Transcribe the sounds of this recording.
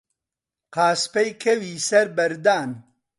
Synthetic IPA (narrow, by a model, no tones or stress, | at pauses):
qaːspɐjkʰɐwiːsɐɾbɐɾd̪aːn